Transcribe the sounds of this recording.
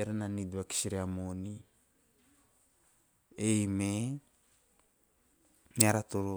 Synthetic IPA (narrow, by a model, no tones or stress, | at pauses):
eɾananiduaki̥siɾiamoni | ejme | miaɾat̪oɾo